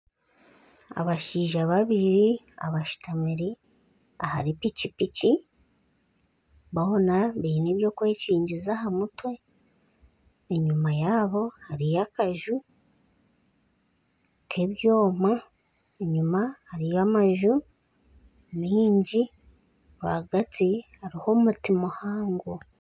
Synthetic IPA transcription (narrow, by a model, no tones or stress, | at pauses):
a̰βaʃiːʒaβaβiɾi | a̰βaʃi̥tamiɾi | aha̰ɾipicipici | βaonaβiiniβjo̞kwe̞ːciːɲɟizaɦamutwe̞ | eɲumajaːβo̞haɾijakaʒu | kʰeβjoːma | eɲumahaɾijamaʒu | miːɲɟi | βa̰ɡat͡sihaɾiho̞mutimohaːŋɡo